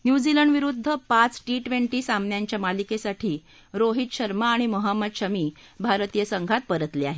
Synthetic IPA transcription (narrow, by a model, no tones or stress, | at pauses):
njud͡ziləɳɖʋiɾud̪ʱːəpat͡sʈiʈʋeɳʈiːsamnjaɲt͡ɕjamalikesaʈʰiː | ɾoɦit̪ɕəɾmaːɽ̃iməɦamːəd̪ɕəmiː | bʱaɾt̪ijəsəŋɡʱat̪̚pəɾət̪leaɦe